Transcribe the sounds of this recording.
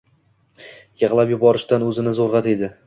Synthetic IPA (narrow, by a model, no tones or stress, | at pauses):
jɨʁlˠapjʊbɒɾɪʃt̪anɵzɪnɪzoɾʁɑt̪ed̪ɪ